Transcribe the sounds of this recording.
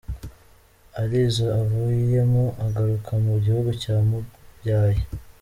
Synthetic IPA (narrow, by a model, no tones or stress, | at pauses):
aɾizaːvujije̞muʔaɡaɾukʰamuɟihuɡucaːmubɟaːje